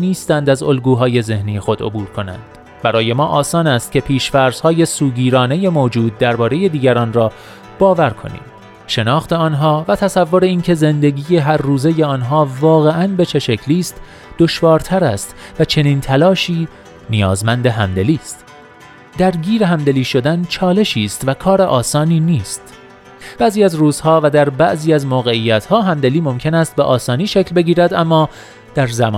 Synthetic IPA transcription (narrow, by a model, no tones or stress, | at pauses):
niːst̪ænd̪æzo̞lɡuːɦɒːje̞ze̞hniːjexo̞d̪o̞̰buːɾkʰo̞næ̰nd̪̥ | b̥æɾɒːje̞mɒːʔɒːsɒːnæst̪̚cʰʲe̞pʰiːʃfæɾz̥hɒːje̞suːɟiːɾɒːne̞je̞moːd͡ʒuːd̪̚ːæɾbɒːɾe̞je̞d̪iːɟæɾɒːnrɒː | b̥ɒːvæɾkʰo̞̰nḭːm | ʃe̞nɒːxt̪e̞ɒːnɦɒːvæt̪ʰæsævːo̞ɾe̞iːncʰe̞ze̞nd̪e̞ɡiːje̞ɦæɾːuːze̞jeɒːnɦɒːvɒːɣe̞ʔænbe̞t͡ʃʰe̞ʃecʰliːst̪ | d̪̥o̞ʃvɒːɾt̪ʰæɾæ̰st̪væt͡ʃʰe̞niːnt̪ʰælɒːʃiː | nijɒ̰ːzmænd̪e̞ɦæ̰md̪e̞liːst̪ | d̪̥æɾɟiːɾeɦæmd̪e̞liːʃo̞d̪ænt͡ʃʰɒːle̞ʃiːst̪vækʰɒːɾeʔɒːsɒːniːniːst̪ | b̥æziːæzruːz̥hɒːvæd̪æɾbæʔziːæzmoːɣe̞ijːæt̪ʰhɒːɦæmd̪e̞liːmo̞mcʰe̞næst̪̚beʔɒːsɒːniːʃecʰlbe̞ɟiːɾæd̪ʔæmːɒː | d̪̥æɾzæ̰mɒ̰ː